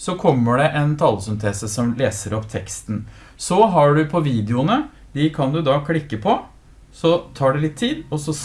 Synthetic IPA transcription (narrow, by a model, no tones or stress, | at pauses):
sɔkʰɔmːəɖɛʔɛnt̪ʰɑlːəsʏmt̪ʰeːsəsɔmleːsəɾɔpːt̪ʰɛkst̪n̩ | sɔɦɑɖʉpʰɔʋiːd̪ɪʊnə | d̪ɪkʰɑnd̪ʉd̪ɑkʰlɪkːəpʰɔ | sɔt̪ʰɑːɖɛlɪt̪ʰːiːd̪ɔsɔ